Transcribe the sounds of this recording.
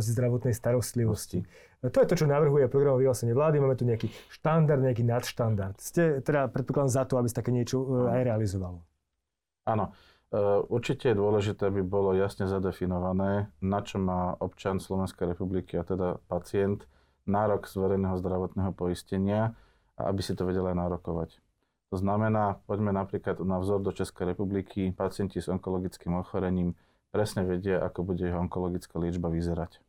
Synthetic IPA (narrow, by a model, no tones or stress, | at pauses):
szd̪ɾaʋɔt̪nɛjst̪aɾɔst̪liʋɔsci | t̪ɔjɛt̪ɔt͡ʃɔnaʋr̩ɦujɛpɾɔɡɾamɔʋiɦlaːsɛɲɪɛʋlaːd̪imaːmɛt̪uɲɛakiʃt̪and̪aɾd̪ɲɛak̬iːnat̪ʃt̪and̪aɾt̪scɛt̪ɛd̪apɾɛt̪pɔklad̪ɔmzat̪ɔabisat̪akɛːɲɪɛt͡ʃɔajɾɛalizɔʋalɔ | anɔ | ʔuɾt͡ʃicɛjɛd̪ʊɔlɛʒit̪ɛːabibɔlɔjasɲɛzad̪ɛfinɔʋanɛːnat͡ʃɔmaːʔɔpt͡ʃanslɔʋɛnskɛjɾɛpublikiat̪ɛd̪apat͡sɪɛnt̪ | naːɾɔɡz̥ʋɛɾɛjnɛːɦɔzd̪ɾaʋɔt̪nɛːɦɔpɔiscɛɲɪa | ʔa̰ʔa̰bisit̪ɔʋɛɟɛlajnaɾɔkɔʋa̰c | t̪ɔznamɛnaːpɔɟmɛnapɾiːklad̪navzɔɾd̪ɔt͡ʃɛskɛjɾɛpublikʰipat͡sɪɛncizɔŋkɔlɔɡit͡skiːmɔxɔɾɛɲiːm | pɾɛsɲɛʋɛɟɪaʔakɔbuɟɛjɛɦɔɔŋkɔlɔɡit͡skalɪɛd͡ʒbaʋizɛɾac